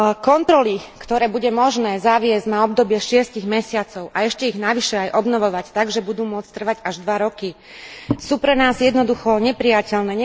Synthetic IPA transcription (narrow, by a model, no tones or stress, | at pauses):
kɔnt̪ɾɔlikt̪ɔɾɛːbuɟɛmɔʒnɛːzaʋɪɛzɟnaɔb̚d̪ɔbɪɛʃɪɛsciɣmɛsɪat͡sɔʊʔaɛʃcɛiɣnaʋiʃɛajʔɔbnɔʋɔʋact̪aɡʒɛbud̪uːmʊɔt͡st̪r̩ʋaɟaʒd̪ʋaɾɔki | suːpɾɛnaːzjɛd̪nɔd̪uxɔɲɛpɾijacɛlnɛːɲɛ